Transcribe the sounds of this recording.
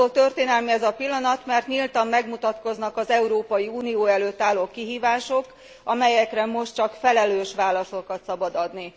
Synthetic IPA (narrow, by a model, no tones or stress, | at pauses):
oːlt̪ørt̪eːnɛlmiɛzɒpilːɒnɒt̪mɛrt̪ɲilt̪ɒmːɛɡmut̪ɒt̪ko̞znɒkɒzɛuɾoːpɒjiuːnijoːɛløːt̪ːaːlːoːkiɦiːvaːʃo̞k | ɒmɛjɛkrɛmo̞ʃt̪t͡ʃɒkfɛlɛløːʃʋaːlɒsokɒt̪sɒbɒd̪ɒd̪ni